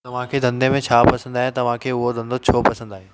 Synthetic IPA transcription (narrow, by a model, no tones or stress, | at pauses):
ɐʋ̤ãkʰed̪ɐ̃nd̪emẽt͡ɕʰaːpɐsə̃nd̪aːɦẽt̪ɐʋ̤ãkʰeːʊɦod̪ʱɐ̃nd̪ot͡ɕʰoːpɐsə̃nd̪aːɦe